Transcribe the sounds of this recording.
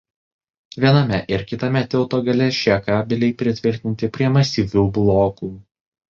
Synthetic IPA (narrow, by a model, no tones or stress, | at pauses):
ʋʲiɛnɐmʲɛʔɪɾkʲɪt̪ɐmʲɛt̪ʲɪlˠt̪oːɡɐlʲɛʃʲɛkɑːbʲɪlʲɛɪpʲɾʲɪt̪ʲʋʲɪɾʲt̪ʲɪnʲt̪ʲɪpʲɾʲiɛmɐsʲiːʋʲuːblˠoːkuː